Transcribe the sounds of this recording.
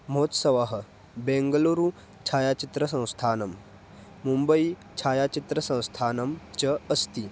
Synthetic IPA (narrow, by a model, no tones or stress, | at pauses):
m̤ot̪sɐʋaɦə | bẽŋɡəloɾu | t͡ɕʰaːjat͡ɕit̪ɾəsɐ̃w̃st̪ʰanɐmː | umbəi | t͡ɕʰaːjat͡ɕit̪ɾəsɐ̃w̃st̪ʰaːnɐmt͡ɕɐəst̪i